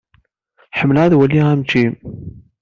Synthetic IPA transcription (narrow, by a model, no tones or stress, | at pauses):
ħəmːəlʁæðwælːiʁæmt͡ʃːim